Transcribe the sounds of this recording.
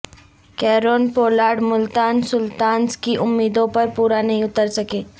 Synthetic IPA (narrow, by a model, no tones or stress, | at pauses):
kɛːɾoːnpoːlaːɖmʊlt̪aːnsʊlt̪aːnskiʔʊmːiːd̪õpɐɾpuːɾanɐɦĩʊt̪əɾsɐkeː